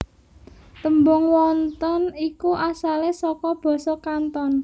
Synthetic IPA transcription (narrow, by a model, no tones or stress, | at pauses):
t̪əmbʊŋwɔnt̪ɔnikuʔasalesɔkɔb̥ɔ̤sɔkant̪ɔn